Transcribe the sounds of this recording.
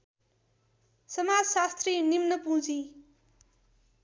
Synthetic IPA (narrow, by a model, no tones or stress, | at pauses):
sʌmad͡zsast̪rinimnʌpũd͡zĩ